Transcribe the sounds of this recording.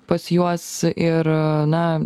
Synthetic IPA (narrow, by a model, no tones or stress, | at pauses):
pɐsjuɔsɪɾnɐ